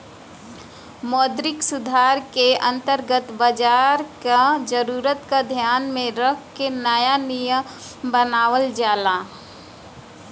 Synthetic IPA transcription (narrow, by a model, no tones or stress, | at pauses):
mɔːd̪ɾɪksʊd̪ʱaːɾkeɐ̃nt̪əɾɡət̪bəd͡ʒaːɾkad͡ʒəɾuːɾət̪kad̪ʱjaːnmẽɾəkʰkenəjanijəm | bənaːwəld͡ʒaːlaː